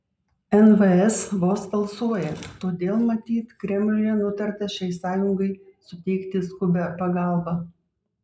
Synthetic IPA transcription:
ɛnʋɐɛsʋoːsbɐlˠsuɔjɛt̪oːd̪ʲeːlˠmɐt̪ʲiːt̪kɾʲɛmʲlʲɪjɛnʊt̪ɐɾʲt̪ɐʃʲɛɪsɑːjʊŋɡɐɪsʊt̪ʲɛɪkt̪ʲɪskʊbʲɛpɐɡɑˑlˠbɑ

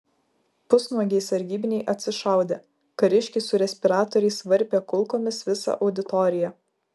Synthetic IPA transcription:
pʊsnuɔɡʲɛɪsɐɾʲɡʲiːbʲɪnʲɛɪʔɐt̪ʲsʲɪʃɑˑʊd̪ʲeː | kɐɾʲɪʃʲkʲɪsʊɾʲɛsʲpʲɪɾɑːt̪ɔːɾʲɛɪsʋɐɾʲˑpʲeːkʊlˠkoːmʲɪsʋʲɪsɑ̰ʔɒʊd̪ʲɪt̪ɔɾʲɪjɛ

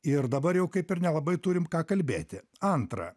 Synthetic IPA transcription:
ɪɾd̪ɐbɐɾjɛʊkɐɪpɪɾnʲɛlˠɐbɐɪt̪uːɾʲɪmkɑːkɐlʲbʲeːt̪ʲɪ | ɐnt̪ɾɐ̰

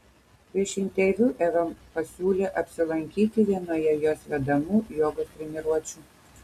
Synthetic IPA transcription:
pʲɾʲiɛʃɪnʲt̪ʲɛʋʲuːʔɛʋɐmpɐsʲuːlʲeːʔɐpʲsʲɪlˠɐŋʲkʲiːt̪ʲɪʋʲiɛnoːjɛjoːsʋʲɛd̪ɐmuːjoːɡot̪ʲɾʲɛmʲɪɾuɔt͡ʃʲuː

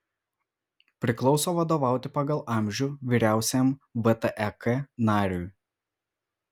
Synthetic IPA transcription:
pʲɾʲɪklˠɒʊsoːʋɐd̪oːʋɑˑʊt̪ʲɪpɐɡɐlˠɑˑmʲʒʲuːʋʲiːɾʲæˑʊsʲɛmbɛt̪ɛʔɛkɛnɑːɾʲuj

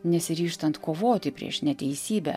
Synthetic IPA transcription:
nʲɛsʲɪɾʲiːʃt̪ɐnt̪koːʋoːt̪ʲɪpʲɾʲḭɛʃnʲɛt̪ʲɛɪsʲiːbʲɛ̰

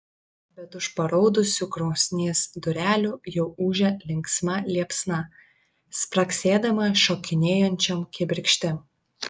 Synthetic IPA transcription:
bʲɛt̪ʊʃpɐɾɔʊd̪ʊsʲuːɡɾɒʊsʲnʲeːsd̪ʊɾʲæːlʲuːjɛʊuːʒʲɛlʲɪŋksmɐlʲiɛpsnɐ | spɾɐksʲeːd̪ɐmɐʃoːkʲɪnʲeːjɔnʲt͡ʃʲɛmkʲɪbʲɪɾʲkʃʲt̪ʲɪm

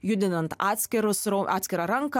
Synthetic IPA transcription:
jʊd̪ʲɪnɐnt̪ɑːt̪ʲsʲkʲɪɾʊsɾoʔɑːt̪sʲkʲɪɾɑːɾɐŋkɐ

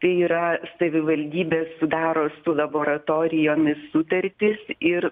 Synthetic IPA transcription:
t̪ɐɪiːɾɐsɐʋʲɪʋɐlʲd̪ʲiːbʲeːssʊd̪ɑːɾoːsʊlˠɐboːɾɐt̪oːɾʲɪjoːnʲɪssʊt̪ɐɾʲt̪ʲɪsɪɾ

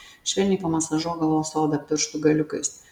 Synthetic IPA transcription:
ʃʲʋʲɛlʲnʲiːpomɐsɐʒuɔɡɐʋoːsoːd̪ɐt̪ʲɪɾʃt̪ʊɡɐlʲʊkʲʊ̰s

